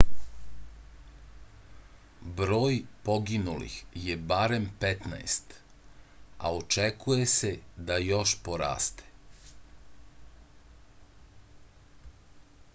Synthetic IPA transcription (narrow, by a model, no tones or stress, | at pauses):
bɾo̞ːjpo̞ɡinulḭxjebaɾe̞mpet̪na̰est̪ | a̰ot͡ʃekujesed̪ajo̞ʃpoɾa̰ːst̪e̥